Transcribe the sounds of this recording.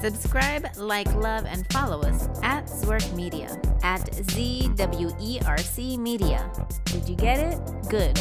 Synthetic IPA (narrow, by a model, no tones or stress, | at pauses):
sɨbskɹaɪblaɪklʌvɨ̰̃nfɑlˠoʊʌsʔɨtswə˞tmiɾiɨ̰ʔɨtzidʌbl̩ˠjuʔiʔɑɹsimiɾiɨ̰ | d̥ɨd͡ʒɨɡɛɾɪt̚ | ɡ̥ʊd̥